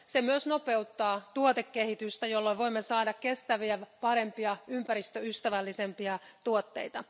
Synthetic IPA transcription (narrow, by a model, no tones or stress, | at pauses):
semyøsno̞peut̪ːɑːt̪uot̪ekːehit̪yst̪æjolːoʋo̞imːesɑːdɑkkest̪æʋiæpɑɾempiɑympæɾist̪øyst̪æʋælːisempiɑt̪uot̪ːḛit̪ɑ